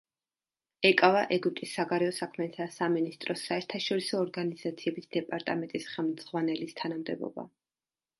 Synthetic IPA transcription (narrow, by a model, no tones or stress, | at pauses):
ɛkʼavaʔɛɡyp̚t̪ʼisːaɡaɾɛɔsakʰmɛt̪ʰasaminist̪ʼɾɔsaɛɾt̪ʰaʃɔɾisɔːɾɡaniz̥at̪sʰiɛbisd̪ɛpʼaɾt̪ʼamɛnt̪ʼisχɛlˠmd̪z̥ʁwanɛlist̪ʰanamd̪ɛbɔ̰ba̰